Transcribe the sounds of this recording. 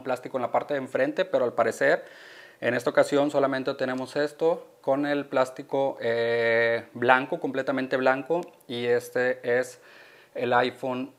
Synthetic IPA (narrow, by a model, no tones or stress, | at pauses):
plast̪ikoenlapaɾt̪e̞ðeɱfɾe̞nt̪e̞pe̞ɾoalpaɾe̞se̞ɾ | e̞̰ne̞st̪ao̞kasjo̞nso̞lament̪et̪e̞ne̞mo̞se̞st̪o̞ko̞ne̞lplast̪iko̞ʔe | blaŋkoko̞mple̞t̪amẽnt̪e̞βlaŋkoie̞st̪ees | elajfon